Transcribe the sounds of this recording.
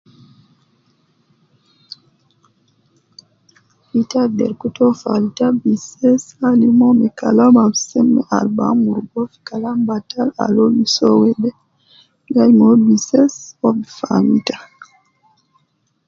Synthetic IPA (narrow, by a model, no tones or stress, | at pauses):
fitadɛ̰ɾkutɔfalitabisɛsalimɔmɛkalamamsɛmːɛ̰ʔa̰lba̰muɾɡɔfi̥kalambatala̰lobisɔwɛdɛ | jajmobisɛsɔfamita